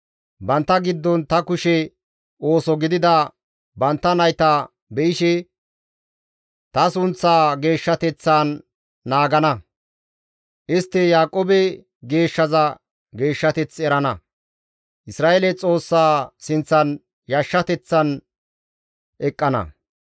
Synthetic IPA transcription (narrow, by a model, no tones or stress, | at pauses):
bɐnt̪ːɐɡɪd̪ːɔnt̪ɐkʊʃɛ | o̞ːsɔɡɪd̪ɪd̪ɐ | bɐnt̪ːɐnɐjt̪a | bɛʔɪʃɛ | t̪ɐsʊnt͡sːaːɡe̞ːʃːɐt̪ɛt͡sːaːnː | aːɡɐnɐ | ʔɪst̪ːɛjaːkʼoːbɛ | ɡe̞ːʃːɐzɐ | ɡe̞ːʃːɐt̪ɛt͡sɛɾɐnɐ | ʔɪsɾaːʔelɛt͡sʼo̞ːsːaːsɪnt͡sːɐn | jɐʃːɐt̪ɛt͡sːɐn | ʔɛkʼːɐnɐ̰